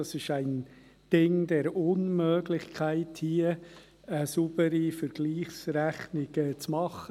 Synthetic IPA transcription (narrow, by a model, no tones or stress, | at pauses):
ɑsɪʃæɪn | d̥ɪŋdɛɾʊnmøːɡlɪçkʰæɪthiːə | əsub̥əɾifəɾɡ̥liːχsɾæχnɪɡ̥ət͡smɑχə